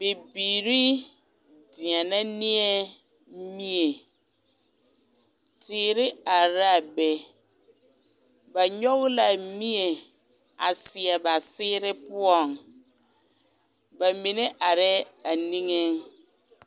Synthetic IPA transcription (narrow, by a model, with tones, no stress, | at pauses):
b̥e˨biː˨ɾi˦ | di˨ɛ̃˨nã˦nɪ˦ɛ˦ | mĩ˦e˨ | tʰɪː˨ɾɪ˦a˨ɾa˨bɛ˨ | ba˨ɲɔ˦ɣla˨mĩ˦e˨ | a˨sɪ˨ɛ˨ba˨sɪː˦ɾɪ˦pʊ˦ɔ˨ŋ | ba˨mĩ˨nɛ̃˦ʔa˨ɾɛ˦a˨nĩ˦ŋe˦ŋ